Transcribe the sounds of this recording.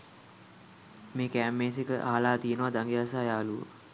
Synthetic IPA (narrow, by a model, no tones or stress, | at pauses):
meːkæːmːeːs̬ekəʔaɦlaːt̪ijənəʋad̪aŋɡijas̬aːjaːluʋə̰